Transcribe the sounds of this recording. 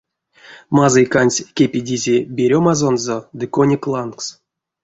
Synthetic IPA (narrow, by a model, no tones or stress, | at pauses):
mazɨjkanʲsʲkʲepʲidʲizʲebʲeɾʲomazonzod̪ɨkonʲiklˠanks